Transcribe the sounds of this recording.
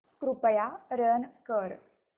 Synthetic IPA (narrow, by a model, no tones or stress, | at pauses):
kɾupəjaɾənkəɾ